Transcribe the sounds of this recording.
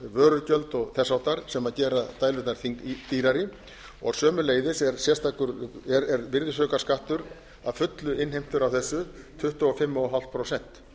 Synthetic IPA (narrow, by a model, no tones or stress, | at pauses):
vœːɾʏcœlt̪ɔɣθɛsawht̪aɾ̥sɛmaðcɛːɾaðt̪aːjlʏht̪naɾ̥θiŋt̪iːɾaɾɪ | ɔɣsœːmʏleːjðɪsɛɾsjɛ̥st̪ʰaːkʏɾɛɾɛɾvɪɾðɪsœːkḁskaht̪ʏɾ | aðfʏt̪lʏɪnɦejm̥t̪ʏɾawθɛsːʏt̪ʰʏht̪ɔɔfɪmːɔɔɦalt̪pʰɾosɛn̥t̪